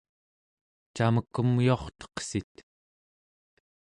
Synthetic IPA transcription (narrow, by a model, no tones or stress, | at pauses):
t͡ʃaməkːəmioχt̪ʌ̥qsit̪